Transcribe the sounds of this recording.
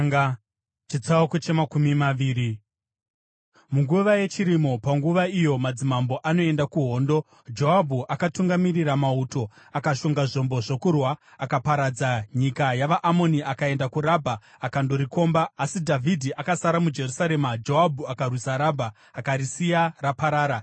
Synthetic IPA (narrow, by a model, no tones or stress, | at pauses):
t͡ʃit͡saokot͡ʃemakumimaʋiːɾi | muŋɡuʋaje̞t͡ʃiɾimo̞paŋɡuʋaijo̞mad͡zimambo̞ʔano̞e̞ndakuɦo̞ːndo̞ | d͡ʒo̞ɦabʱuʔakatuŋɡamiriramauto̞ | akaʃoŋɡaʐo̞mbo̞ʐokurwaː | kapaɾad͡zaɲikajaʋaʔamo̞niʔakae̞ndakuɾabʱaː | kando̞ɾiko̞mbaːsidʱavʱidʱiʔakasaɾamud͡ʒe̞rusaɾe̞mad͡ʒo̞ɦabʱuakarwisaɾabʱaː | kaɾisijarapaɾaːɾa